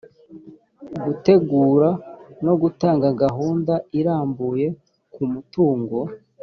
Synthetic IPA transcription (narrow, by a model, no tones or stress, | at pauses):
ɡute̞ɡuːɾano̞ɡutaːŋɡaɡaɦuːndaiɾaːmbuje̞ | kumutuːŋɡo̞